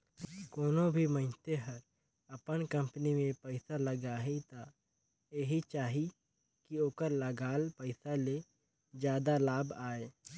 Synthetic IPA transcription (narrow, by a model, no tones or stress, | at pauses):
koːnobʱiməɪnt̪eɦəɾ | əpənkə̃mpənimẽpəɪsaləɡaːɦit̪a | eɦit͡ʃaːɦi | kioːkəɾləɡaːlpəɪsale | d͡ʒjaːd̪alaːbaːe